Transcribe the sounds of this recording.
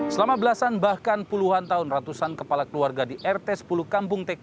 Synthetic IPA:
səlamabəlasanbahkanpuluɦant̪aʊnrat̪usankəpalakəluarɡadiʔɛrt̪ɛsə̥pulukampʊŋt̪ɛk

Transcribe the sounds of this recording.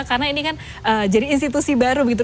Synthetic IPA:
karnainikan | ʔəd͡ʒadiːnst̪it̪usibaɾubəɡit̪u

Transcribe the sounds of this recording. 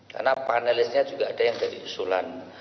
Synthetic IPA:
ka̰rnapanɛlɪsɲad͡ʒuɡaːdajaŋdadiusulan

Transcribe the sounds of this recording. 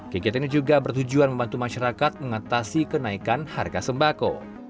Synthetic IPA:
kəɡiat̪inid͡ʒuɡabərt̪ud͡ʒuanməmbant̪umaʃaɾakat̪̚məŋat̪asikənaikanha̰rɡasəmbako̰

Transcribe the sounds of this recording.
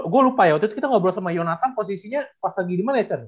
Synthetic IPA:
ɡualupajawt͡ʃut̪ukit̪aŋabəɾasamajonat̪anposisiɲapasaɡidimanat͡ʃər

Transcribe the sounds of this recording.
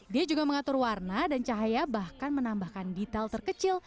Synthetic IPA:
diad͡ʒuɡaməŋat̪ʊrwarnadant͡ʃaɦajabahkanmənambahkandit̪alt̪ərkət͡ʃɪl

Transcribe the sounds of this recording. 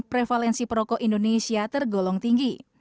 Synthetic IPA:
pɾefalɛnsipɾɔkɔʔindonesiat̪ərɡɔlɔŋt̪iŋɡi

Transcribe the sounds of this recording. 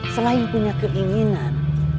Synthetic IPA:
səlaiŋpuɲakəʔiŋinan

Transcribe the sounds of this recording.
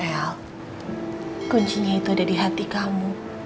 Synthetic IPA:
ɛl | kuɲt͡ʃiɲait̪uadadiɦat̪ikamu

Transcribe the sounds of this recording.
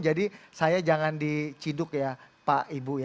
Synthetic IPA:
d͡ʒadisajad͡ʒaŋandit͡ʃidʊkjapaʔibuj

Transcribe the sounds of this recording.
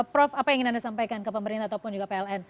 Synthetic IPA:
pɾɔfapajaŋinandasampajkankəpəməɾint̪aːt̪awpʊnd͡ʒuɡapeɛlɛn

